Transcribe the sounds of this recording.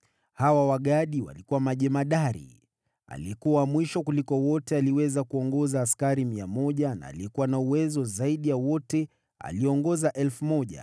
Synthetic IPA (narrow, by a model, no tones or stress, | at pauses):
hawawaɠaɗiwa̰likuwamaʄɛmaɗaɾḭ | a̰liɛkuwamwiʃɔkulikɔwɔtɛaliwɛzakuɔŋɡɔzaːskaɾimiamɔʄana̰ːliɛkuwanauwɛzɔzaiɗijawɔtɛ | a̰liɔŋɡɔzaʔɛlfumɔʄa̰